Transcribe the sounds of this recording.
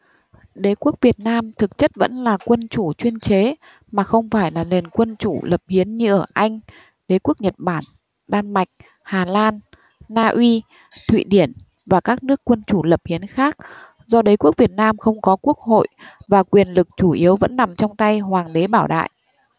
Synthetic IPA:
ɗe˨˦ku˦˥ək̚vi˨˩ət̚naː˧mt̪ʰɨ˨˩k̚t͡ɕə˦˥t̚və̰˧˥nlaː˨˩kwə˧nt͡ɕu˧˩t͡ɕwi˧ənt͡ɕe˨˦ | maː˨˩xə˧wŋ͡mfaː˧˩jlaː˨˩le˨˩nkwə˧nt͡ɕu˧˩lə˨˩p̚hi˨˦ənɲɨ˧ʔəː˧˩ʔa˧jŋ̟ | ɗe˨˦ku˦˥ək̚ɲə˨˩t̚ɓaː˧˩n | ɗaː˧nma˨˩jk̟̚ | haː˨˩laː˧nː | aː˧ʔwi˧ | t̪ʰwḭ˧˨ɗi˧˩ən | vaː˨˩kaː˦˥k̚nɨ˦˥əkːwə˧nt͡ɕu˧˩lə˨˩p̚hi˨˦ənxaː˦˥k̚ | zɔ˧ɗə˨˦jku˦˥ək̚vi˨˩ət̚naː˧mxə˧wŋ͡mkɔ˨˦ku˦˥ək̚ho̰˧˨jvaː˨˩kwi˨˩ənlɨ˨˩k̚t͡ɕu˧˩ʔi˨˦əwvə̰˧˥nːa˨˩mt͡ɕɔ˧wŋ͡mt̪a˧jhwaː˨˩ŋɗe˨˦ɓaː˧˩wɗa̰ː˧˨jʔ

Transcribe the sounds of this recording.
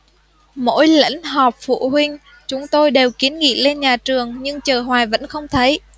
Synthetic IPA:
mo̰˧˥jlə̰˧˥ŋ̟ɦɔ˨˩p̚fṵ˧˨hwï˧ŋ̟ | t͡ɕʊ˨˦ŋ͡mt̪o˧jɗe˨˩wki˨˦ənŋḭ˧˨le˧nɲaː˨˩t͡ɕɨ˨˩əŋɲɨ˧ŋt͡ɕəː˨˩ɦwaː˨˩jvə̰˧˥nxə˧wŋ͡mt̪ʰə˨˦j

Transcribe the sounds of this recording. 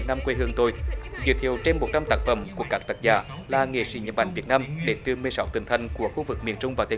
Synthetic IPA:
t̚naː˧mkwe˧ɦɨ˧əŋt̪o˧jzɨ̰˨˩t̪ʰi˨˩˨əwt͡ɕe˧nmːo˨˩t̚t͡ɕa˧mt̪aː˦˥k̚fə̰˧˩˦mku˧˩əkaː˦˥k̚t̪ə˨˧˩t̚za̰ː˧˩laː˨˩ŋḛ˧˩swḭ˧˦ɲə˨˩ɓa̰˧˨jŋvi˨˩ət̚naː˧mɗe˨˦nt̪ɨ˨˩mɨ˨˩əjsa˨˦wt̪ï˧˩ŋ̟t̪ʰa˧˩jŋ̟ku˧˩əxu˧vɨ˨˩k̚mi˨˩ənt͡ɕʊ˧ŋ͡mvaː˨˩t̪ː

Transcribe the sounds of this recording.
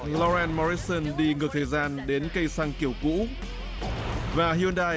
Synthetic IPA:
lɔ˧ɾɛ˧nmɔ˧ɾi˦sə˧nɗi˧ŋɨ˨˩ək̚t̪ʰəː˨˩jzaː˧nɗe˨˦nkə˧jsaː˧ŋki˧˩əwkṵ˧˥ | vaː˨˩ɦi˧ənɗaː˧

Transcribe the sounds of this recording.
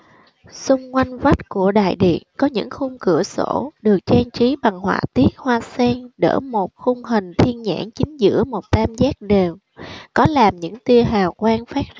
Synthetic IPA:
sʊ˧ŋ͡mkwa˧jŋ̟va˦˥jt̚ku˧˩əɗa̰ː˧˨jɗḭ˧˨ənkɔ˨˦ɲɨ̰˧˥ŋxʊ˧ŋ͡mkɨ˧˩əso̰˧˥ɗɨ˨˩ək̚t͡ɕɛ˧nt͡ɕi˨˦ɓa˨˩ŋhwa̰ː˧˨t̪i˦˥ək̚hwaː˧sɛː˧nɗə̰ː˧˩mo˨˩t̚xʊ˧ŋ͡mɦï˨˩ŋ̟t̪ʰi˧ənɲa̰ː˧˥nt͡ɕï˨˦ŋ̟zɨ̰˧˥əmo˨˩t̚t̪aː˧mzaː˦˥k̚ɗe˨˩w | kɔ˨˦laː˨˩mɲɨ̰˧˥ŋt̪i˧əɦaː˨˩wkwaː˧nfaː˦˥k̚

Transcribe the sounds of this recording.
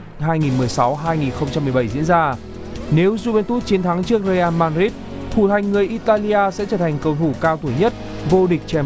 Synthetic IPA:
ɦaː˧jŋi˨˩nmɨ˨˩əjsa˨˦wɦaː˧jŋi˨˩nxə˧wŋ͡mt͡ɕa˧mːɨ˨˩ɓə˧˩jzḭ˧˥ənzaː˧ | ne˨˦wzu˧vɛ˧nt̪u˦˥t̚t͡ɕi˨˦nt̪ʰa˨˦ŋt͡ɕɨ˦˥ək̚zə˧jʔaː˧nmaː˧nzi˦˥t̚ | t̪ʰu˧˩t̪ʰa˨˩jŋ̟ŋɨ˨˩əjʔi˧t̪aː˧li˧ʔaː˧sɛ̰˧˥t͡ɕəː˧˩t̪ʰa˨˩jŋ̟kə˧˩wt̪ʰu˧˩kaː˧wt̪ʰu˧˩ɲə˦˥t̚ | vo˧ɗï˨˩k̟̚t͡ɕɛ˧˩

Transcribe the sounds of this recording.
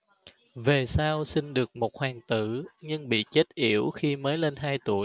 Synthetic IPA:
ve˨˩saː˧wsi˧ŋ̟ɗɨ˨˩ək̚mo˨˩t̚hwaː˨˩ŋt̪ɨ̰˧˩ɲɨ˧ŋɓḭ˧˨t͡ɕe˦˥t̚ʔi˧˩əwxi˧məː˨˦jle˧nɦaː˧jt̪u˧˩əj

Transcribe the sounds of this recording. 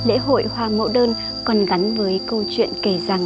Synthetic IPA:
lḛ˧˥ɦo̰˧˨jhwaː˧mo̰˧˥ɗəː˧n | kɔ˨˩nɣa˨˦nvəː˨˦jkə˧wt͡ɕwḭ˧˨ənke˧˩za˨˩ŋ

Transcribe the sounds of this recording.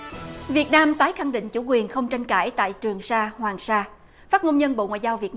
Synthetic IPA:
vi˨˩ət̚naː˧mt̪aː˨˦jxa˧˩ŋɗḭ˧˨ŋ̟t͡ɕu˧˩˦kwi˨˩ənxə˧wŋ͡mt͡ɕa˧jŋ̟ka̰ː˧˩jt̪a̰ː˧˨jt͡ɕɨ˨˩əŋsaː˧hwaː˨˩ŋsaː˧ | faː˦˥t̚ŋo˧nɲə˧nɓo̰˧˨ŋwa̰ː˧˨jzaː˧wvi˨˩ət̚

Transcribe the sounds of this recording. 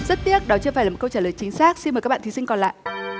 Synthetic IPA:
zə˦˥t̚t̪i˦˥ət̚ɗɔ˨˦t͡ɕɨ˧faː˧˩jaː˨˩˨kə˧wt͡ɕaː˧˩ləː˨˩jt͡ɕï˨˦ŋ̟saː˦˥k̚si˧nməː˨˩jk̚ːɓa̰ː˧˨t̪ʰi˨˦sï˧ŋkɔ˨˩la̰ː˧˨ʔ

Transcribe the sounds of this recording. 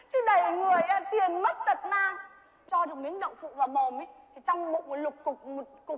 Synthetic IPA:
t͡ɕɨ˨˦ɗə˨˩jŋɨ˨˩əjʔa˧t̪i˨˩əmmə˦˥t̚t̪ə˨˩t̚naː˧ŋ | t͡ɕɔ˧ɗɨ˨˩ək̚mi˨˦ənɗə̰˧˨wŋ͡mfṵ˧˨vaː˨˩ɓo˨˩mə˨˦t̪ʰi˨˩t͡ɕɔ˧wŋ͡mɓʊ̰˧˨ŋ͡mmo˨˩lʊ˨˩k͡p̚kʊ˨˩k͡p̚kʊ˨˩

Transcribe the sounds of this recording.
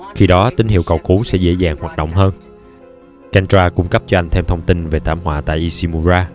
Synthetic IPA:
xi˧ɗɔ˨˦t̪i˨˦ŋ̟hḭ˧˨əwkə˨˩wku˨˦sɛ̰˧˥zḛ˧˥zaː˨˩ŋhwaː˨˩t̚ɗo̰˧˨wŋ͡mɦəː˧n | kɛ˧nt͡ɕwaː˧kʊ˧˩ŋ͡mkə˦˥p̚t͡ɕɔ˧ʔa˧jŋ̟t̪ʰɛ˧mt̪ʰə˧wŋ͡mt̪i˧nve˨˩t̪ʰaː˧˩˨mhwaː˧˨t̪a̰ː˧˨jʔi˧si˧mu˧zaː˧

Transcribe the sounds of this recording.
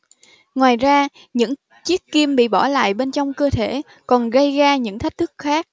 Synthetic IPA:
ŋwaː˨˩jzaː˧ | ɲɨ̰˧˥ŋ | t͡ɕi˦˥ək̚ki˧əmɓḭ˧˨ɓɔ˧˩la̰ː˧˨jɓe˧nt͡ɕɔ˧wŋ͡mkəː˧t̪ʰe˧˩ | kɔ˨˩nɣə˧jɣaː˧ɲɨ̰˧˥ŋt̪ʰa˦˥k̟̚t̪ʰɨ˦˥k̚xaː˦˥k̚

